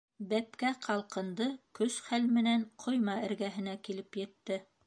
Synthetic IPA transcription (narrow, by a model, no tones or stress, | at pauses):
bæpkæqʰɑlˠqɤ̆nd̪ɤkɵsχælmɘ̆næɴqʰŏjmɑɘ̆ɾɡæɦɘ̆nækilɘpjɘ̆t̪ːɘ